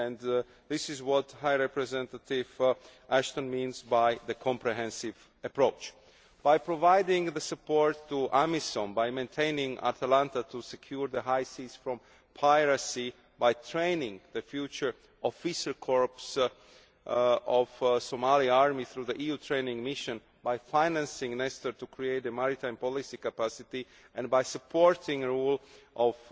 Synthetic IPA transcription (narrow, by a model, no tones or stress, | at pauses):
ɛ̃n | ðɪsɪzwɔt̪hajɹɛpɹɛzɛ̃nt̪atɪvʔæʃt̪ə̃nmĩnzbajðəkʰɔ̃mpɹɛɦɛ̃nsɪv | əpɹoʊt͡ʃ | b̥ajpɹɔvajdɪ̃ŋðəsɨpɔɹtʰːuʔamisɔ̃nbajmẽnt̪ʰẽɪ̃nɪ̃ŋa̰t̪ʰəlãnt̪at̪ʰusɛkʰjuɹðəɦajsiz̥fɹɔ̃m | pʰajɹasi | bajt̪ʰɹẽɪnɪ̃ŋðəfjut͡ʃə˞ | ʔɔfiʃəlkʰɔɹps | ɔvsomaliaɹmiθɾuðəʔijut̪ʰɹẽɪnɪ̃ŋmɪʃə̃n | bajfãɪnæ̃nsɪ̃ŋnɛstə˞t̪ukʰɹieɪtəmaɹit̪ãɪ̃mpɔlisikapasɪt̪i | ɛ̃nbajsəpʰɔɹtʰɪ̃ŋɹulʔɔv